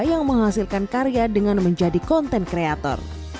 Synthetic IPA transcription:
jaŋməŋɦasilkankaɾijadəŋanməɲd͡ʒadikɔnt̪ɛnkɾeat̪ɔ̰r

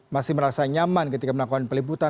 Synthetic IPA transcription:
masɪhməɾasaɲamankət̪ikaməlakukanpərlibut̪a

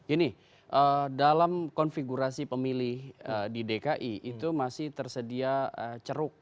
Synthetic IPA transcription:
ɡ̥ini | ʔədalamkɔnfiɡuɾasipəmilɪhədidekaʔiʔːt̪umasɪht̪ərsədiaət͡ʃəɾʊk̚

